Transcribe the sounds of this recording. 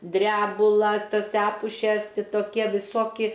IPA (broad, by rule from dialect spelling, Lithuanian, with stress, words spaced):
ˈdʲrʲæːbʊlˠɐs ˈtɐs ˈæːpʊʃʲɛs ˈtʲɪ toːˈkʲiɛ ʋʲɪˈsoːkʲɪ